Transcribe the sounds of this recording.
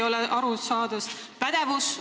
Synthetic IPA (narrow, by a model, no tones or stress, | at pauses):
o̞lɛʔɑɾusɑːd̪ɑspæd̪̥e̞vus